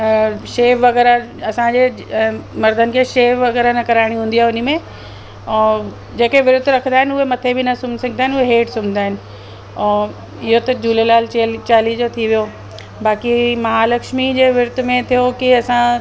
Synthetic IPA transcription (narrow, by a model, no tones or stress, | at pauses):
ʃeːʋʋɐɣɛːɾa | ɐsãd͡ʑeː | mɐɾd̪ʱənɪ̆kʰeːʃeːʋʋɐɣɛːɾanɐkɐɾaːɪɽ̃iɦũːn̆d̪iaɦeʊn̆mẽː | d͡ʑeːkeʋɪɾʊd̪ʱɾɐkʰə̃nd̪aːɦɪnʊɦemɐt̪ʰebɪnɐsʊmsɐ̃ɡɪnd̪aːɪnuɦeɦeːʈsʊmɪnd̪aːɦɪnɪ̆̃ː | ɪɦot̪ɐd͡ʑuːlelaːlt͡ɕelt͡ɕaːlid͡ʑot̪ʰiʋijo | baːkimɐɦalɐkʃmid͡ʑeːʋɪɾʊd̪ʱmẽt̪ʰijokiɐsã